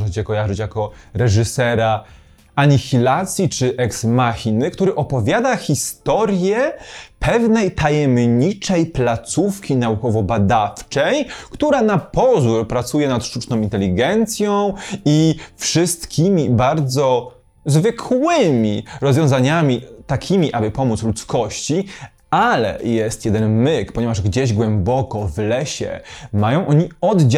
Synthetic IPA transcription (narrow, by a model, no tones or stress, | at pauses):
xt͡ɕɛkɔjaʐɘt͡ɕjakɔɾɛʐɘsɛɾa | aɲixʲilat̪sʲjit͡ʂɘʔɛksmaxʲinɘkt̪uɾɘʔɔpɔvʲjad̪axʲist̪ɔɾʲjɛpʰɛvnɛjt̪ajɛmɲit͡ʂɛjplat̪sufkʲinaukɔvɔbad̪aft͡ʂɛjkt̪uɾanapɔzuɾpɾat̪sujɛnat̪ʂt̪ut͡ʂnɔ̃w̃int̪ɛlʲiɡɛnt̪sʲjɔ̃w̃ifʂɘst̪kʲimʲibaɾd̪zɔ | zvɘkʰwɪmʲiɾɔzvʲjɔ̃w̃zaɲamʲit̪akʲʰimʲiʔabɘpɔmut̪slut̪skɔɕt͡ɕi | alɛ̰jɛst̪jɛd̪ɛnmɘkpɔɲɛvaʐɡd͡ʑeʑɡwɛmbɔkɔvlɛɕɛ̰majɔ̃w̃ʔɔɲiɔd̪d͡ʑ